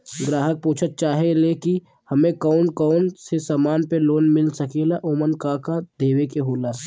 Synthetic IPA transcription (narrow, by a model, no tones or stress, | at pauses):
ɡɾaːɦək̚puːt͡ʃʰət̪̚t͡ʃaːɦeleki | hɐmẽkɔːnkɔːnsesaːmaːnpeloːnmɪlsəkelaʔoːmənkaːkad̪eːwekeɦoːla